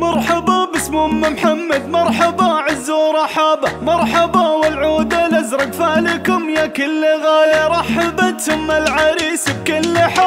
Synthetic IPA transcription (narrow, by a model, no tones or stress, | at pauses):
mɑɾˤħɑbabɪsmʊmːamħamːad̪mɑɾˤħɑbɑʕɪzːuːɾˤɑħabamɑɾˤħɑbawɪlʕuːd̪alazɾˤɑɡfaːlɪkʊmjakɪlːɣaːjaɾˤɑħabat̪ʊmalʕaɾiːsɪbkɪlːɪħa